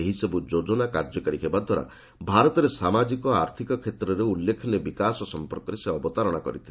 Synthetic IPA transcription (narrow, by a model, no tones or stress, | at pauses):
eɦisɔbud͡ʒod͡ʒɔnakaɾd͡ʒɔkaɾikʰebad̪ʱwaɾa̰ | bʱaɾɔt̪ɔɾesamad͡ʒikɔaɾt̪ʰikɔkʰet̪ɾɔɾeulːekʰinebikasɔsɔmpɔɾkɔɾeseɔbɔt̪aɾɔɽ̃akɔ̰ɾit̪ʰile